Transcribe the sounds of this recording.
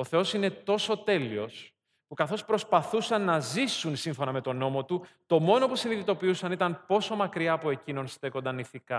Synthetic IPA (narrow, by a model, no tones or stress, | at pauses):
o̞θe̞o̞sine̞t̪o̞so̞t̪e̞lio̞s | pukɐθo̞spɾo̞spɐθusɐnːɐzisunsiɱfo̞nɐme̞t̪o̞no̞mo̞t̪ut̪o̞mo̞no̞pusiniðit̪o̞piusɐnit̪ɐnpo̞so̞mɐkɾiɐːpoe̞cino̞nst̪e̞ko̞nd̪ɐniθikɐ